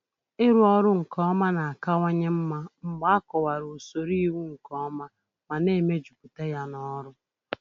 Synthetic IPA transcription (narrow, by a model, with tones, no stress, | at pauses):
ɪ˦ɾu˦ɔ˦ɾʊ˦ŋ̩˨kɔ˦ma˦na˨a˨ka˦wa˦ɲe˦m̩˦ma˦m̩˨ɡ͡ba˦a˦kɔ˨wa˨ɾu˨o˨so˨ɾi˦wu˦ŋ̩˨kɔ˦ma˦ | ma˨ne˦˨me˦d͡ʒu˨ku˨te˦ja˦nɔ˦ɾʊ˦